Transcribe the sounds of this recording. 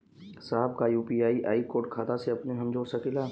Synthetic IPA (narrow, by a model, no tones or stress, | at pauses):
saːɦəbkajuːpiaːiʔa̰ːikoːɾʈ̚kʰaːt̪aseɐpneɦɐmd͡ʒoːɽsɐkilaː